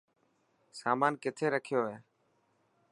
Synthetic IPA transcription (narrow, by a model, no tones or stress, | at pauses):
saːmaːnkɪt̪ʰeːɾəkʰɪjoːɦeː